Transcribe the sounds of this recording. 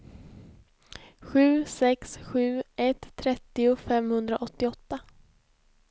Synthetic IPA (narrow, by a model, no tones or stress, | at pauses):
ɧʉ̟ːsɛksɧʉ̟ːʔɛt̪ʰːɾɛt̪ːɪʊfɛmhɵnd̪ɾaʔɔt̪ːɪɔt̪ːa